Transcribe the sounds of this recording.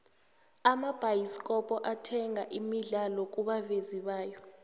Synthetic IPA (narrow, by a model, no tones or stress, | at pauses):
amab̥ʱajiskʼɔpʼɔʔatʰɛŋaʔimiɮalɔk̬ʼuɓaveziɓaːjɔ